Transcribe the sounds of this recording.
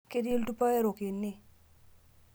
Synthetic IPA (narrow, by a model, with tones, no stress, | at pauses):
ke˦de˦ltu˦pa˦ɛ˦ɾo˨kɪ˨nːɪ˦